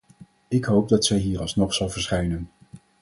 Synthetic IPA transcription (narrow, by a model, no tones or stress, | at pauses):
ɪkɦowp̚dɑtsɛjɦiːɹɑlˠsnɔχsɑlˠvəɹsχɛjnən